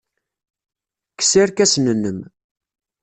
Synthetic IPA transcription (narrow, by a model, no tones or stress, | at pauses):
ksɪɾkæsnənːəm